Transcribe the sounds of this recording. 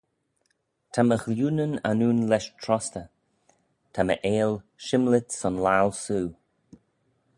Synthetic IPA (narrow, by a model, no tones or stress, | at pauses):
tʰaməxljuːnəna̰nuːnlɛʃtʰɾɔst̪ə | t̪ʰamə̰ʔeːlʃɪmlɪt̪sɔnlalsuː